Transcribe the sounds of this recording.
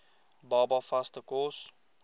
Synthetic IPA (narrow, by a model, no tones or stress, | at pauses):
bɑːbɑfɐstəkɔs